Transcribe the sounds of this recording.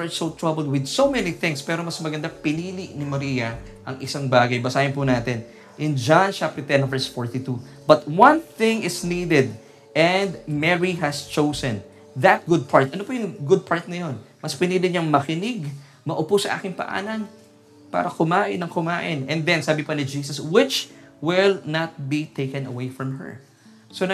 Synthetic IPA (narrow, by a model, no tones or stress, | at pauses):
ɛɹsowt̪ɹabɛld̪̚wɪd̪̚somɛniθɪ̃ŋspɛːɾomɐsmɐɡɐnd̪apɪniːlɪʔnɪmɐɾiːjɐ | ʔɐŋɪsaŋbaːɡɐjbɐsaːhɪnpʊnaːt̪ɪn | ʔɪnd͡ʒant͡ʃap̚t̪ɛt̪ɛnvɛɹsfoɹt̪it̪u | bɐt̪wɐ̃nθɪ̃ŋɪsniːd̪ɛd̪̚ | ɛnd̪mɛɹiɦɐst͡ʃowsɛ̃n | ðɐt̪̚ɡʊd̪̚pʰaɹt̪̚ʔɐnopojʊŋɡʊd̪̚pʰaɹt̪̚nɐjo̞nmɐspɪnid̪ɪɲɐŋmɐkɪnɪɡ | mɐʔʊpusɐʔa̰ːkɪŋpɐ̰ʔa̰ːnɐn | pa̰ːɾɐkʊmaːʔɪnɐŋkʊmaːʔɪnɛ̃nd̪ɛnsaːbɪpɐnɪd͡ʒiːsɐswɪt͡ʃwɪlnɐt̪̚bit̪ʰejkɛ̃nɐwejfɹɐ̃mɦɛ̰ɹ | son